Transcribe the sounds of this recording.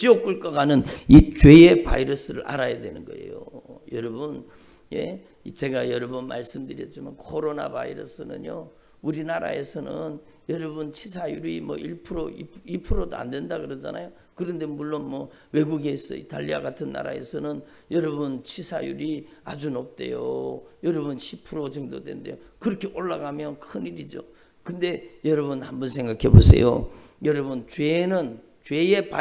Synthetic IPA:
t͡ɕiok͈ɯɭk͈ʌɡanɯnit͡ɕwe̞jepa̰iɾʌsɯɾɯ̰ɾʔa̰ɾajadwe̞nɯnɡʌ̰e̞̰jo̰jʌɾʌbɯn | je̞̰ | it͡ɕe̞ɡajʌɾʌbʌnma̰ɭs͈ɯmdɯɾjʌt̚t͡ɕ͈imankʰoɾona̰ba̰iɾʌ̰sɯnɯ̰ɲjo̰ | uɾinaɾa̰e̞sʰʌnɯn | jʌɾʌbɯnt͡ɕʰisʰajuɾimʌ̰ʔiɭpʰɯɾoiiɭpʰɯɾodoa̰ndwe̞ndakɯɾʌd͡ʑa̰najo | kɯɾʌnde̞muɭːonmʌ | we̞ɡuɡe̞sʌ̰ʔḭta̰ʎːiaɡatʰɯnːa̰ɾa̰e̞̰sʰʌnɯn | jʌɾʌbunt͡ɕʰisʰa̰juɾiad͡ʑunop̚t͈e̞̰jo̰jʌɾʌbunɕʰipʰuɾod͡ʑʌŋdodwe̞̰ndḛjokɯɾʌkʰe̞ʔoɭːaɡamjʌnkʰɯniɾid͡ʑo̰ | kɯnde̞jʌɾʌβunhambʌnsʰeŋɡakʰe̞bosʰe̞̰jo̰jʌɾʌbunt͡ɕwenɯn | t͡ɕwe̞jepa

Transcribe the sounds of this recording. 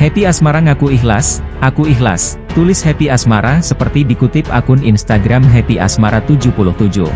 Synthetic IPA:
hɛpiasmaɾaŋakuiɦlasʔakuiɦla̰s | t̪ulɪshɛpiasmaɾasəpərt̪idikut̪ɪp̚a̰kʊninst̪aɡɾamɦɛpiʔa̰smaɾat̪ud͡ʒupulʊht̪ud͡ʒṵh

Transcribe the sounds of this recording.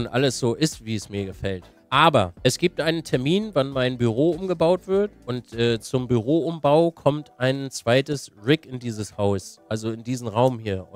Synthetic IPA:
ʊntʔa̰ləsz̥oːʔɪstv̥iːɛsmiːɐɡəfɛlt | ʔaːbɐʔɛsɡ̥iːp̚tʔaɪnəntʰɛɐmiːnvanmaɪnbyʁ̞oːʔʊmɡəbaʊtv̥ɪɐtʔʊntʔɛːt͡sʊmbyʁ̞oːʊmbaʊkʰɔmtʔaɪnt͡sv̥aɪtəsʁɪkɪndiːzəshaʊsʔalzoɪndiːzn̩ʁaʊmhiːɐ

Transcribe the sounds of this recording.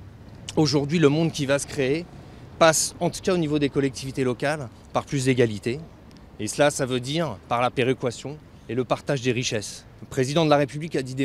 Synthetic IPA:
oʒuʁd̪ɥiləmɔ̃d̪kʲivasə̥kχee | pasɑ̃t̪u̥kaonivod̪ekɔlɛk̚t̪ivit̪elɔkʲal | paʁplys̬d̪eɡʲalit̪eː | səlasavød̪iʁpaʁlapeʁekwasjɔ̃ | eləpaʁt̪aʒd̪eʁiʃɛs | əpχezid̪ɑ̃d̪əlaʁepyblikad̪id̪e

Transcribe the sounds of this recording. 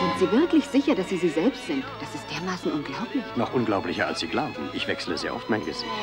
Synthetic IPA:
z̥ɪntz̥iːvɪɐklɪçz̥ɪçɐdasz̥iːziːzɛlpstz̥ɪntd̥asɪstd̥eːɐmaːsn̩ʔʊnɡlaʊplɪçnɔχʔʊnɡlaʊplɪçɐa̰lsz̥iːɡlaʊbm̩ʔɪçv̥ɛksələzeːɐʔɔ̰ftmaɪnɡəz̥ɪ̰çt

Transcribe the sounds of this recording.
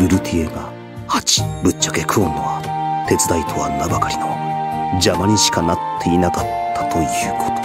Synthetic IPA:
ɯ̟ɾɯ̟t̪ʲʰieɡa | hat͡ɕi̥bɯ̟t͡ɕːḁke̞kʰɯ̟õnːoβat̪e̞t͡sɨd̪ait̪ʰo̞a̰nːabakaɾʲino̞̰d͡ʑamaɲ̟iɕi̥kanat̪ʰːe̞inakat̪ʰːḁt̪o̞jɯ̟ːkʰo̞̥t̪o̥

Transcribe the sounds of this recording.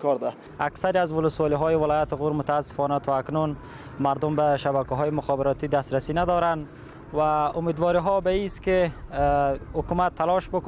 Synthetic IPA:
kɔɾd̪a | aksaɾiazwʊlʊswɒliɦɔjɪwɪlɒjat̪ɪɣuɾmʊt̪aːsːɪ̥fɔnat̪ʰɔaknun | maɾd̪ʊmbaʃabakaɦɔjɪmʊxɒbɪɾɒt̪id̪ast̪ɾasinad̪ɔɾan | waʊmed̪wɒɾiɦɔbaist̪kɪ | hʊkumat̪ʰːalɔʃbʊk

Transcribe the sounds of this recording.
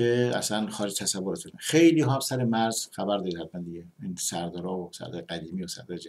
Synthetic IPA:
eæ̰slænxɒːɾed͡ʒt̪ʰæsævoɾet̪ʰunæxejliːɦɒsæɾemæɾzxæbæɾd̪ɒːɾid̪hæt̪̚mænd̪iɟeinsæɾd̪ɒːɾɒːosæ̰ɾd̪ɒːjeɡæd̪iːmiːosæ̰ɾd̪ɒjed͡ʒ

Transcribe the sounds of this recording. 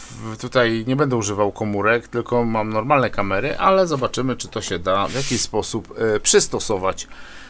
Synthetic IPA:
t̪ut̪ajɲɛbɛnd̪ɛuʐɘvawkɔmuɾɛkt̪ɘlkɔmamnɔɾmalnɛkamɛɾɘʔalɛzɔbat͡ʂɘmɘt͡ʂɘ̥t̪ɔɕɛd̪avjakʲispɔsuppʂɘst̪ɔsɔvat͡ɕ

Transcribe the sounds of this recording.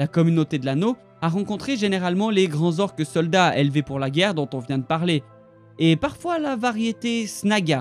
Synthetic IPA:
lakɔmynot̪ed̪əlano | aʁɑ̃kɔ̃t̪χeʒeneʁalmɑ̃leɡʁɑ̃zɔʁkəsɔld̪aḛlvepuʁlaɡʲɛʁd̪ɔ̃t̪ɔ̃vjɛ̃d̪əpaʁleː | paʁfwalavaʁjet̪esnaɡʲa

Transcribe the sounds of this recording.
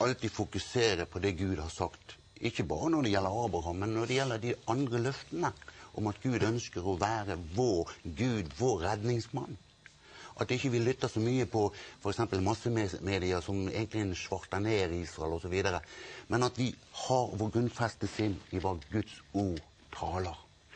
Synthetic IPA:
ɑlt̪iːfʊkʉseːɾəpʰɔd̪ɛɡʉːd̪hɑɾsɑkt̪ | ʔɪçːəbɑ̰ːɾənɔd̪ɛjɛlːəɾɑːbɾɑɦɑmːɛnːɔɖ̪ɛjɛlːəɾd̪ɪɑnd̪ɾəlœft̪ənəʔɔmɑt̪ɡʉːd̪œnskəɾɔʋæːɾəʋoːɾɡʉːd̪ʋoːɾːɛd̪nɪŋsmɑnː | ʔɑt̪ɪçːəʋɪlːʏt̪ːɑsɔmyːəpʰɔfɔɾɛksɛmpəlmɑsːəmemeːd̪ɪəsɔmḛːɡənt̪lɪɛnʃʋɑɾt̪ɑneːɾɪɪsɾɑɛlɔsɔʋiːd̪əɾəmɛnɑt̪ʋɪhɑɾʋoːɾɡɾʉnfɛst̪əsɪnːɪʋɑɾɡʉt̪suːɾ | t̪ʰɑːləɾ

